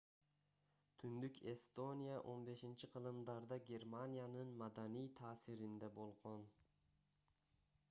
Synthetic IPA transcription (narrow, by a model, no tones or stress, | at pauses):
t̪ʰynd̪ykʲʰe̞st̪o̞nʲijaʔo̞nbe̞ʃɪnt͡ʃʰɪqʰɨlˠɨmd̪ɑɾd̪ɑɡʲe̞ɾmanijanɨnmad̪anijt̪ʰaːsɪɾɪnd̪ɛbolˠʁon